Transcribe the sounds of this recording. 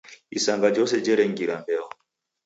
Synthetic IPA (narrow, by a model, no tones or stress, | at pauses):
isaŋɡad͡ʒɔs̬ɛd͡ʒɛɾɛŋɡiɾambɛɔ